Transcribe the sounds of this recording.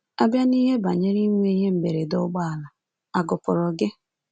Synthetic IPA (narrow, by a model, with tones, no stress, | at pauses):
a˦bja˦ni˦ɦe˦ba˨ɲe˦ɾi˦ŋʷe˦i˦ɦe˦m̩˨be˨ɾe˨dʊ˦ɡ͡ba˦a˨la˨ | a˨ɡʊ˨pʊ˨ɾɔ˨ɡɪ˦